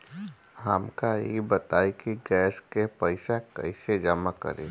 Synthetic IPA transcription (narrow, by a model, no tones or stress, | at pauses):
ɦəmkajebət̪aːikiɡɛːskepəɪsakə̰ɪsed͡ʒəmakə̰ɾeː